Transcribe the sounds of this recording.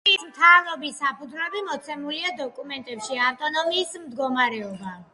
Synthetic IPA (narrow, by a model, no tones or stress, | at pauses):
ismt̪ʰavɾɔbisapʰud̪zwɛbimɔt̪sʰɛmuliad̪ɔkʼumɛnt̪ʼɛpʃiaft̪ʼɔnɔmiːsmd̪ɡɔmaɾɛɔba